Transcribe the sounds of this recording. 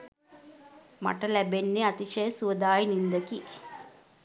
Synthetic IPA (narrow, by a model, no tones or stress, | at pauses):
mɐ̰ʈɐlæbenːeat̪iʃɐjɐsuʋɐd̪aːjinind̪ɐki